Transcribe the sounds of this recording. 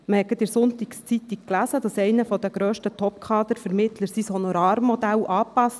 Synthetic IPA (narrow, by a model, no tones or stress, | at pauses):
məhɛɡədɪɾsʊnt̪ikst͡sit̪ik̚klæzəd̥ɑsɛɪnəfɔd̪əɡ̥ɾœːʃtət̪ʰɔp̚kʰɑːd̪əɾfɛɾmɪt̪ləɾsishɔnɔɾɑːɾmːɔd̪ælʔɑːpɑst